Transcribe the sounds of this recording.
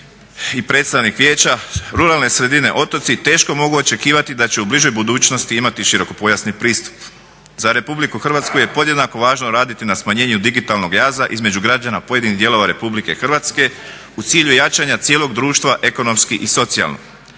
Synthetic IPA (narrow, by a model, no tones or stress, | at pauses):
ipɾe̞t̪st̪aʋnikʋjeːt͡ɕaɾuɾalˠne̞sɾe̞d̪ine̞̰ʔo̞t̪o̞t̪sit̪e̞ːʃko̞mo̞ɡuo̞t͡ʃe̞kiːʋat̪id̪at͡ɕe̞ubliʒo̞jbud̪uːt͡ʃno̞st̪iimat̪iʃiɾo̞ko̞po̞jasnipɾiːst̪u̥p | zaɾe̞publikuxɾr̩ʋat̪skuje̞po̞d̪je̞d̪nako̞ʋaːʒnoɾaːd̪it̪inasmaɲe̞ːɲud̪iɡit̪alˠno̞ɡjaːzaʔizme̞d͡ʒuɡɾad͡ʒanapo̞je̞d̪iniɦd̪je̞lˠo̞ʋaɾe̞publike̞xr̩ʋaːt̪ske̞ | ut̪siːʎujat͡ʃaɲat̪sjelo̞ɡd̪ɾuːʃt̪ʋaʔe̞ko̞no̞mskiʔiso̞t̪sia̰lno̰